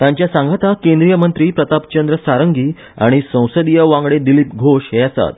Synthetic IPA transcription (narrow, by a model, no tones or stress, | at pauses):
t̪ãɲt͡ɕjasãŋɡʱat̪akẽnd̪ɾijəmənt̪ɾiːpɾət̪apt͡ɕənd̪ɾəsaɾəŋɡiː | a̰ɽ̃isə̃w̃səd̪ijəʋãŋɡɽed̪iliːpɡʱoʂɦeasa̰t̪